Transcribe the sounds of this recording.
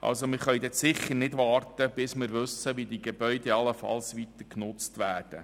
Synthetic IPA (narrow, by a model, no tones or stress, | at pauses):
ʔɑ̰lsomɪɾχœjd̪ɛtsɪχːəɾnɪdʋɑːrtəb̥ɪsmɪɾʋɵsəʋidiɡebœʏdɛɑləfɑ̰lsʋit̪əɾknʊt͡stʋæːrd̥ə̰